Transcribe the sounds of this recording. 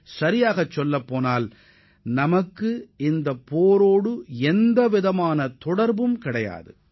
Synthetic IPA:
sɐɾɪjaːɣɐt͡ʃːɔlːɐpːoːnaːl | nɐmɐkːɯɪnd̪ɐpːoːɾoːɽɯɛnd̪ɐʋɪðɐmaːnɐt̪ɔɽɐɾbɯmkɪɽɐja̰ːðɯ̰

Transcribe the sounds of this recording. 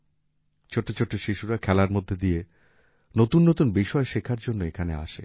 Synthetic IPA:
t͡ɕʰoʈːot͡ɕʰoʈʰːoʃiʃuɾakʰɛlaɾmod̪ʱːed̪ije | not̪unːot̪unbiʃɔeʃekʰaɾd͡ʑonːoekʰanea̰ʃḛ

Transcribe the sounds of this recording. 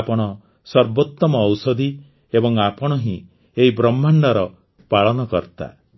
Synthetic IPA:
pɔɽ̃ɔ | sɔɾbot̪ːɔmɔːwsɔd̪ʱi | ebɔŋapɔɽ̃ɔɦĩ | eɦibɾɔmːaɳɖɔɾɔ | paɭɔnɔkɔɾt̪a̰

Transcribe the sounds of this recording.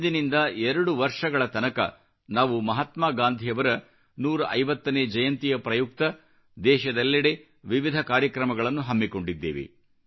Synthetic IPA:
d̪inind̪ɐɛɾɐɽuʋɐɾʂɐɡɐɭɐt̪ɐnɐkɐ̰ | naːʋumɐɦɐt̪maːɡaːnd̪ʱijɐʋɐɾɐ | nuːɾɐʔɐjʋɐt̪ːɐneːd͡ʒɐjɐnt̪ijɐpɾɐjuk̚t̪ɐ | d̪ɛːʃɐd̪ɐlːɐɽe̞ | ʋiʋid̪ʱɐkaːɾjɐkɾɐmɐɡɐɭɐnːuɦɐmːiko̞ɳɖid̪ːḛːʋḛ

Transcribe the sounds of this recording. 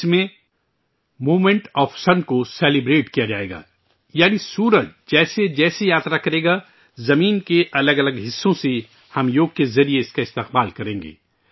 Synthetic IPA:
ɪsmẽ | moːmẽɳʈɔːfsɐnkoseːlɪbɾeːʈkijad͡ʒaːḛːɡa̰ː | jaːnisuːɾət͡ʃd͡ʒɛːsed͡ʒɛːsejaːt̪ɾakɐɾeːɡa | zɐmiːnkeʔɐləɡɐləɡɦɪsːõse | hɐmjoːɡ̚kezɐɾieɪskaɪst̪eqbaːlkɐɾẽːŋɡḛː

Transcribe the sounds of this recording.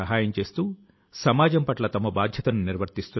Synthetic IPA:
ɐɦaːjɐmt͡ʃe̞ːst̪uː | sɐmaːd͡ʒɐmpɐʈlɐt̪ɐmɐbaːd̪ʱjɐt̪ɐnuniɾʋɐɾt̪ist̪u

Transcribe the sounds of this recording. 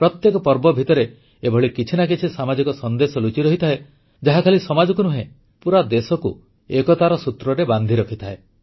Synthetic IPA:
pɾɔt̪jekɔpɔɾbɔbʱit̪ɔɾe | ebʱɔɭikit͡ʃʰinak̬it͡ʃʰisamad͡ʒikɔsɔnd̪esɔlut͡ʃiɾɔɦit̪ʰae | d͡ʒaɦakʰalisɔmad͡ʒɔkunuɦẽ | puɾad̪esɔkṵ | ekɔt̪aɾɔsut̪ɾɔɾeband̪ʱiɾɔkʰit̪ʰae

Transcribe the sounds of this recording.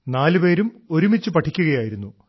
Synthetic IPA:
naːlɨpe̞ːɾumo̞ɾumit͡ɕːɨpɐʈʰːikʲːuɣɐjaːjiɾunːu

